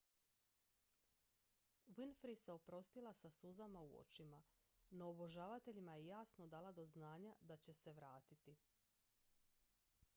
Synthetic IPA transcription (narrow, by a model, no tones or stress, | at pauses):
winfɾiseo̞pɾo̞st̪ilˠasasuzamauo̰t͡ʃima | no̞ːbo̞ʒaːʋat̪e̞ʎimajejaːsno̞d̪aːlˠad̪o̞znaːɲad̪at͡ɕe̞se̞ʋɾaːt̪it̪i